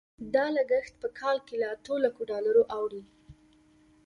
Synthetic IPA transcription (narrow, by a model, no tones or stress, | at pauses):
d̪ɑləɡəxt̪̚pəkʰɑlkelaat̪olakoɖɑlaɾoʔawɽi